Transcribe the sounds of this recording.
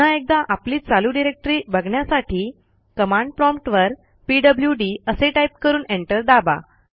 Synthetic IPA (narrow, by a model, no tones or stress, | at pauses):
aek̚d̪ãʔapliːt͡saluɖiɾek̚ʈəɾiːbəɡɳjasaʈiː | kəmãɳɖpɾɔ̃mpʈʋəɾ | piɖəbljuɖiːəseʈaip̚kəɾuːneɳʈəɾd̪aba̰